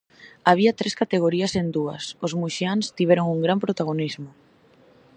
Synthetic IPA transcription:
aβ̞iɐt̪ɾeskat̪eɣ̞oɾiɐsend̪uɐ̰sozmuʃianst̪iβɛɾoŋuŋɡɾampɾot̪aɣ̞onizmʊ

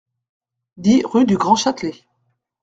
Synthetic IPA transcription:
d̪iʁyd̪yɡʁɑ̃ʃat̪le

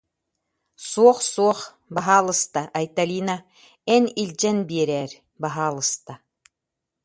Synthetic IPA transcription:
suɔχsuɔχ | baɦaːlˠɯst̪aʔɐjt̪alʲiːna | ɛnilʲd͡ʑɛnbiɛɾɛːɾ | baɦaːlˠɯst̪a

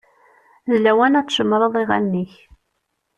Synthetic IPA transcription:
ðlæwænæt͡sːˤʒəmːɾˤɑðˤiʁæ̰nːiç

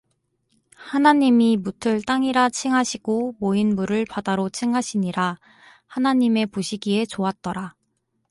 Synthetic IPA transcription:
hanaɲimimutʰɯɭt͈aŋiɾat͡ɕʰiŋɦaɕʰiɡ̥omoinmuɾɯɭpadaɾot͡ɕʰiŋɦaɕʰiɲiɾa | hanaɲime̞poɕʰiɡie̞t͡ɕoat̚t͈ʌɾa

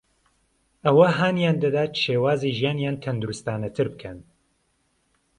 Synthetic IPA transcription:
ʔɐwɐɦaːnjaːnd̪ɐd̪aːt̪ʃeːwaːziːʒijaːnjaːnt̪ʰɐnd̪uɾust̪aːnɐt̪ʰɨɾbɨkʰɐn

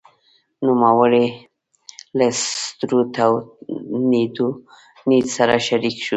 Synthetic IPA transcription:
numawəɽe | last̪ɾut̪ʰawnid̪u | nid̪saɾaʃaɾikʃu

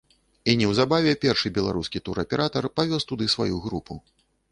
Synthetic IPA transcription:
inʲɛwzabavʲɛpʲɛrʂɨbʲɛlˠa̰ɾuskʲit̪uɾɐpʲɛɾʔat̪ɐrpavʲɔst̪ud̪ɨsva̰juɣɾupʰu

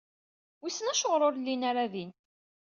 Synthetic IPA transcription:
wisənæʃoʁɾˤoɾlːinaɾaðin

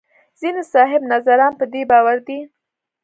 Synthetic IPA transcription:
z̥inesɑɦɪbnazaɾɑnpəd̪ebɑwaɾd̪i

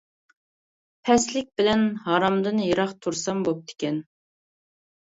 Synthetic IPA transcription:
pʰɛslɪk̚ʲbɪlɛnɦɑɾɑmd̪ɨnjeɾɑχt̪ʰuɾsɑmbop̚t̪ɪ̥kʲɛn

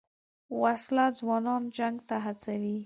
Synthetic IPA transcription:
waslazwɑnɑnd͡ʒaŋɡt̪aɦat͡sawi

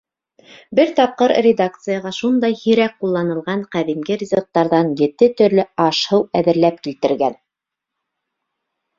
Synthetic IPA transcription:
bɘɾt̪ɑp̚qɤɾrʲed̪ak̚t̪sɨjɑʁɑʃund̪ɑjhiɾæk̚qulˠːɑnɤ̆lˠʁɑɴqæðimɡɘɾʲizok̚t̪ɑɾðɑnjɘ̆t̪ɘt̪ɵ̆ɾlɘɑʃhɤwæðɘ̆ɾlæp̚kilt̪ɘ̆ɾɡæn

